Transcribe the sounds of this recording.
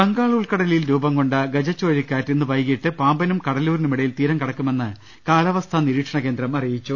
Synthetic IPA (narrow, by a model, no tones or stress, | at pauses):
kɐŋɡaːɭɐuɭkɐɽɐlijilɾuːbɐmkoɳɖɐɡɐd͡ʑɐt͡ɕːo̞ːɾikːaːtːenːɨʋɐjɣiʈːɨpaːmbɐnumkɐɽɐluːɾinumiɽɐjilt̪iːɾɐŋkɐɽɐkːume̞nːɨ | kaːlɐʋɐst̪ʰɐniɾiːʈʂɐɳɐke̞ːnd̪ɾɐmɐrijit͡ɕːu